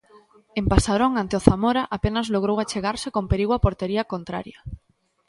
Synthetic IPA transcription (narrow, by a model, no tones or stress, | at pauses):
empasaɾoŋant̪eoθamoɾaʔapenazloɣ̞ɾowat͡ʃeɣaɾsekompeɾiɣwapoɾt̪eɾiakont̪ɾa̰ɾja